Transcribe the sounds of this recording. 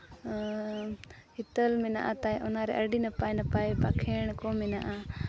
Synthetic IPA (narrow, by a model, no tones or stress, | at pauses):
hit̪əlmɛna̰ʔat̪ajʔɔnaɾɛ̰ʔəɖinəpajnəpajpakʰɛɳ̃kɔmɛnaʔa